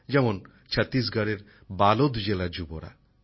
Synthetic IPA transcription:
d͡ʑɛmon | t͡ɕʰat̪ːisɡʱaɽeɾ | balod̪d͡ʑelad͡ʑuboɾa̰

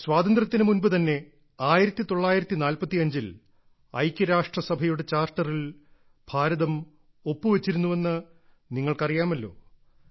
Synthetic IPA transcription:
swaːd̪ɐnd̪rɐt̪ːinɨmunbɨt̪ɐnːe̞ | aːjiɾɐt̪ːit̪o̞ɭːaːjiɾɐt̪ːinaːlpɐt̪ːiɐɲd͡ʑil | ɐ̰jkʲːɐɾaːʂʈrɐsɐbʱɐjuɽe̞t͡ɕaːrʈːɐril | b̥ʱaːɾɐðɐm | o̞pːɨʋet͡ɕːiɾunːuʋe̞nːɨ | niŋːɐɭkɐrijaːmɐlːo̞̰ː

